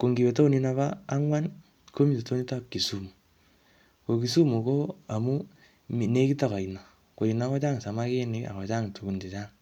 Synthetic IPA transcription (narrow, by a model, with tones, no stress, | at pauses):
ko˨ŋɡi˨be˨to˦ni˦na˨βaː˦ŋwa˦n | ko˦mi˦se˨to˦ni˦ta˦p̚ki˨su˦mu˨ | ko˨ki˨su˦mu˨ko˦a˨mu˦ | mi˨ne˦ki˦ta˦˨kɔ˨i˨na˨ | ko˨i˨na˨˦kɔ˦t͡ʃa˦ŋ˨sa˨ma˦ke˦nɪ˦ka̰˨kɔ˨t͡ʃa˦ŋtu˨ɡu˨nte˨t͡ʃaː˦ŋ